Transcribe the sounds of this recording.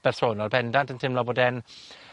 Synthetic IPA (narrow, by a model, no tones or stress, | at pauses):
b̥ɛrθoːnɔlˠbɛndantʰəntʰɪmlɔboːdɛn